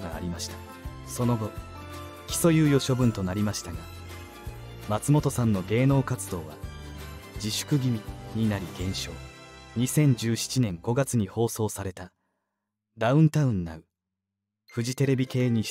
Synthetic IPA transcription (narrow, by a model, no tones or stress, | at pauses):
ɡa̰ːɾʲimaɕi̥t̪ḁ | so̞no̞ɡo̞ | kʲi̥so̞jɯːjo̞ɕo̞bɯ̟̃nt̪o̞naɾʲimaɕi̥t̪aɡa | mat͡sɨmo̞t̪o̞sãnːo̞ɡe̞ːno̞ːkat͡sɨd̪o̞ːβa̰ | d͡ʑiɕɨ̥kɯ̟ɡʲimʲiɲ̟inaɾʲiɡẽ̞ɰ̃ɕo̞ːɲ̟isẽ̞ɲ̟d͡ʑɨːɕi̥t͡ɕinẽ̞ŋɡo̞ɡat͡sɨɲ̟iho̞ːso̞ːsaɾe̞t̪a | d̪aɯ̟̃nt̪aɯ̟̃nːa̰ɯ̟ | ɸɯ̟ʑit̪e̞ɾe̞bʲike̞ːɲ̟i